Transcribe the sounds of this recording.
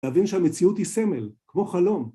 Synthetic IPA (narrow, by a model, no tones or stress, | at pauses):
avinʃeamet͡siut̪hisemelkmo̞χalo̞m